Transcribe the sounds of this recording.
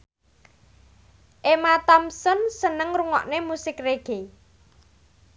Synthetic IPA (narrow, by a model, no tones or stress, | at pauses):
ʔemat̪ɔmsɔnsənəŋɾuŋɔ̰ʔnemusɪkreɡ̥e